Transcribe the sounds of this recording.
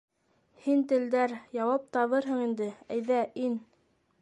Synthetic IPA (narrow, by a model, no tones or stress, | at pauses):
hint̪ɘ̆ld̪æɾjɑwɑp̚t̪ɑβɤɾɦɤɴind̪ɘæjðæʔin